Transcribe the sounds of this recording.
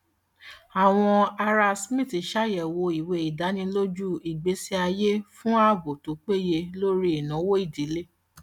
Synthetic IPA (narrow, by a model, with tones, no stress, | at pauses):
a˨w̃ɔ̃˧a˧ɾa˧smĩ˦˨ti˨ʃa˦jɛ˨wo˧i˨we˧i˨da˨˦nĩ˧lo˦d͡ʒu˦i˨ɡ͡be˨˦si˧a˧je˦fũ˦a˦˨ɡo˨to˨˦k͡pe˦je˧lo˦ɾi˦i˨nã˨˦wo˦i˦˨di˨˦le˦